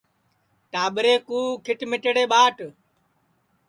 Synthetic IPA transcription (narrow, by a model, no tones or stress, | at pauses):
ʈaːɓɾeːkuːkʰɪʈmɪʈəɽeːɓaːʈ